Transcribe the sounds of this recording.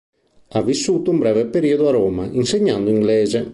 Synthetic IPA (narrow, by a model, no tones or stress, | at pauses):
avːisːuːt̪oumbɾɛvepeɾiod̪oaɾoːmaʔinseɲːand̪oiŋɡlɛːze